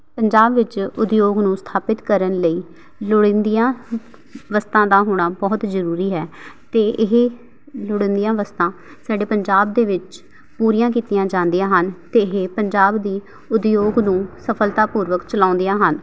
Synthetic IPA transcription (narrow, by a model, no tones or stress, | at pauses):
pəɲd͡ʒaːbʋɪt͡ʃʊd̪joːɡnũːst̪ʰaːpɪt̪kəɾənləiː | lʊɽɪ̃nd̪ijãː | ʋəst̪ãːd̪aːɦoːɽ̃aːbɔːt̪zəɾuːɾiːɦɛːt̪eːʔɪɦ | lʊɽɪ̃ːnd̪ijãːʋəst̪ãː | saːɖeːpəɲd͡ʒaːb̚d̪eːʋɪt͡ʃ | puːɾijãːkiːt̪ijãːd͡ʒãːnd̪ijãːɦənt̪eːɪɦepəɲd͡ʒaːbd̪iː | ʊd̪joːɡnũːsəpʰəlt̪aːpuːɾʋəkt͡ʃəlãːnd̪ijãːɦən